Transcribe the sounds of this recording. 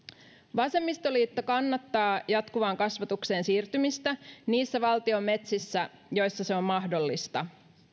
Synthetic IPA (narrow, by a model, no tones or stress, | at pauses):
ʋɑse̞mːist̪o̞liːt̪ːokɑnːɑt̪ːɑːjɑt̪kuʋɑːŋkɑsʋɑt̪ukse̞ːnsiːrt̪ymist̪æniːsːæʋɑlt̪io̞mːe̞t̪sisːæ | jo̞jsːɑse̞o̞mːɑɦdo̞lːist̪ɑ